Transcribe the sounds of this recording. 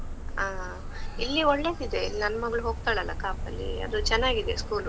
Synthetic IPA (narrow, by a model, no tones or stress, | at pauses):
aː | ilːiɔɭːe̞ːd̪id̪e̞inɐnːɐmɐɡɭuɦoːɡ̚t̪aːɭɐlːɐkaːpɐlːḭɐ̰d̪ut͡ʃɛnːaːɡid̪e̞skuːlu